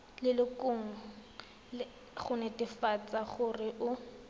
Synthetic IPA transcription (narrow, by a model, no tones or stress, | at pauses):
lɪlɪkʊŋ̩ | χʊnɛtɪfat͡saχʊrɪʔʊ